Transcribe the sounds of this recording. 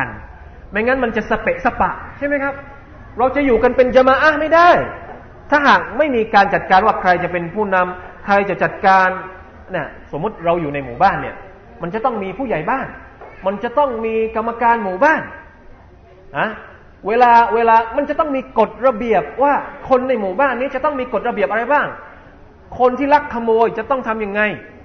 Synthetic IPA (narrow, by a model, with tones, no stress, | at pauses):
n | ma˧˩jŋaː˦˥nma˧nt͡ɕa˨˩ʔsa˧p̪e˨˩ʔsa˧pa˨˩ʔt͡ɕʰa˥˩jma˦˥jkʰa˦˥p̚ | ɾa˧wt͡ɕa˨˩juː˨˩ka˧npe˧nt͡ɕa˧maː˧ʔa˦˥˩ma˥˩jda˥˩j | t̪ʰaː˥˩ɦaː˨˩k̚ma˥˩jmiː˧kaː˧nt͡ɕa˨˩t̪̚kaː˧nwaː˥˩kʰɾa˧jt͡ɕa˨˩pe˧npʰuː˥˩na˧mkʰɾa˧jt͡ɕa˨˩t͡ɕa˨˩t̪̚kaː˧n | ni˥˩ɐso˩˦mːu˦˥t̪̚ɾa˧wjuː˨˩na˧jmuː˨˩baː˥˩nːi˥˩ɐ | ma˧nt͡ɕa˨˩t̪ɔ˥˩ŋmiː˧pʰuː˥˩ja˨˩jbaː˥˩nma˧nt͡ɕa˨˩t̪ɔ˥˩ŋmiː˧ka˧mːa˧kaː˧nmuː˨˩baː˥˩n | ʔa˦˥ | weː˧laː˧weː˧laː˧ma˧nt͡ɕa˨˩t̪ɔ˥˩ŋmiː˧ko˨˩t̪̚ɾa˧bi˨˩əp̚waː˥˩kʰo˧nːa˧˩jmuː˨˩baː˥˩nːiː˦˥t͡ɕa˨˩t̪ɔ˥˩ŋmiː˧ko˨˩t̪̚ɾa˧bi˨˩əpʔa˧ɾa˧jbaː˥˩ŋ | kʰo˧nt̪ʰiː˥˩la˦˥kʰːa˧moː˧jt͡ɕa˨˩t̪ɔ˥˩ŋt̪ʰa˧mja˧ŋːa˧j